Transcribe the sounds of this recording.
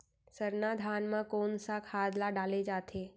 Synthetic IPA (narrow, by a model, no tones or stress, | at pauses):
səɾnad̪ʱaːnmãkoːnsakʰaːd̪ʱlaɖaːled͡ʒaːt̪ʰeː